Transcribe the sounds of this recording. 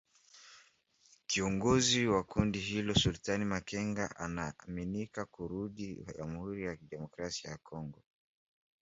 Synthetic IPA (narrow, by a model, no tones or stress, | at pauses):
kiɔŋɡɔziwakundiɦilɔsultanimakɛŋɡaʔa̰naːminikakuɾuɗiwʄamuhuɾijakiɗɛmɔkɾasiajakʰɔŋɡɔ